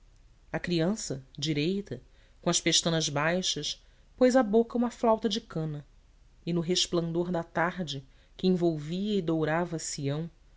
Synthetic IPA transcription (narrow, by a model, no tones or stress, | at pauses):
ɐkɾiɐ̃sɐd͡ʒiɾejt̪ɐ | kõɐʃpeʃt̪ɐ̃nɐzbajʃɐʃ | pojzɐbokɐũmɐflawt̪ɐd͡ʒɪkɐ̃nɐ | ɪnʊɦeʃplɐ̃nd̪oɾd̪ɐt̪aɾd͡ʒɪ | kɪẽvowviɐɪd̪owɾavɐsiɐ̃w̃